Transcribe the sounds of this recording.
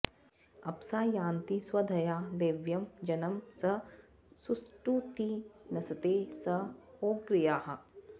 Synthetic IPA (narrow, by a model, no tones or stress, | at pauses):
ɐpsaːjãːnt̪iswɐd̪ʱɐjaːleːʋjɐmd͡ʒɐnɐmsɐ | susʈut̪inɐsɐt̪eːsɐoːɡɾijaːɦɐ